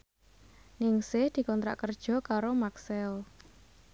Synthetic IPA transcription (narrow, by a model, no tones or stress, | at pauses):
nɪŋsɪhd̪̥i̤kɔnt̪ɾa̰ʔkərd̥ʒ̥ɔ̤kaɾomaksɛl